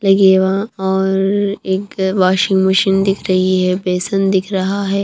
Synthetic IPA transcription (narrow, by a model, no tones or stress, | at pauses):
lɐɡeːʋaɔːɾɾeːkʋaːʃɪ̃ŋɡmɐʃɪnd̪ɪkʰɾɐɦiɦɛbeːsənd̪ɪkʰɾɐɦaɦɛː